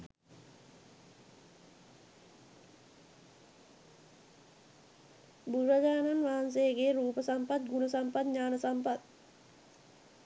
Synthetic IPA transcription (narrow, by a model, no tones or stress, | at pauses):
buɾʋəd͡ʒaːnanʋaːans̬ejɡeɾuːpəsampat̪̚ɡunəsampat̪ɲaːnəsampat̪̚